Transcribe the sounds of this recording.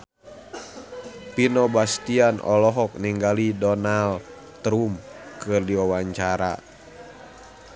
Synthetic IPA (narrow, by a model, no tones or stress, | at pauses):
pinɔbast̪ianɔ̰lɔɦɔk̚niŋɡalidɔnal | t̪ɾumkɨrdiwawaɲt͡ʃaɾa̰